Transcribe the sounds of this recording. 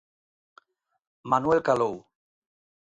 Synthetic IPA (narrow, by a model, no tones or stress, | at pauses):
manwɛlkalow